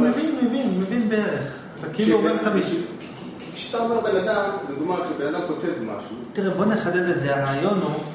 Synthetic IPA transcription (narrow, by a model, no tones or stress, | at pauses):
mevinmevinmevinbeeʁeχ | takiluɡemk̪amiʃ | kʃeat̪aːmaʁbe̞nad̪amniɡmaʁʃibenad̪amkot̪evma̰ʃut̪iʁebo̞neχadede̞tzeaʁaːjo̞nu